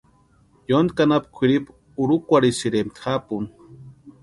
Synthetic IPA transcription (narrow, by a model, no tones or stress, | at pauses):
jond̪kanapkʷʰiɾip | uɾukʷaɽisiɾemt̪ʰχapun